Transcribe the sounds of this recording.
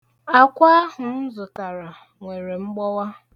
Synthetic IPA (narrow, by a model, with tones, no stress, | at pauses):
a˨kʷa˦ɦʊ˨n̩˦zʊ˨ta˨ɾa˨ | ŋʷe˨ɾe˨ŋ͡m̩˦ɡ͡bɔ˦wa˦